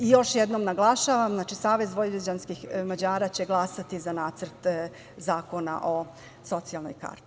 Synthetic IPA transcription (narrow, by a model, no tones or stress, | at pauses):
ijo̞ʃjɛd̪noːmnaɡlˠaʃaʋamznaːt͡ʃisaːʋezʋojiid͡ʑanskixmad͡ʑaːɾat͡ɕe̞ɡlˠasat̪izanaːt̪sərt̪ | zaːko̞na̰ʔo̞ | so̞t̪sialˠno̰jka̰ːɾt̪i̥